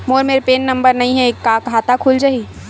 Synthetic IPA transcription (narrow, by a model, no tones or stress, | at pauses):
moːɾmeːɾpeːnːɐ̃mbəɾnɐɦĩɦɛkːakɦaːt̪akʰuːld͡ʒaɦi